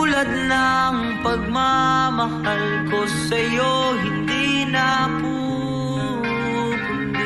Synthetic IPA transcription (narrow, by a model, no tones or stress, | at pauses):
ulɐd̪̚nɐŋ | pɐɡ̚mamɐhal | kosɐjoɦɪnd̪inɐpu